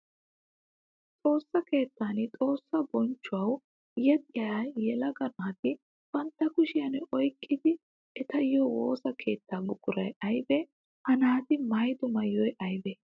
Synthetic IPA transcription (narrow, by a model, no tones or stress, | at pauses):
t͡sʼo̞ːsːɐke̞ːt̪ːaːnɪt̪ʼo̞ːsːɐbɔnt͡ʃːʊɐw | jɐt̪ʼɪjɐajɛlɐɡɐnaːt̪ɪ | b̥ɐnt̪ːɐkʊʃɪjɐnɛʔɔjkʼːɪd̪ɪ | ɛt̪ɐjːoːwo̰ːsɐkʰe̞ːt̪ːaːbʊkʼːʊɾɐjɐjbɛ | hɐnaːt̪ɪmɐjd̪ʊmɐjːɔjʔɐjbɛ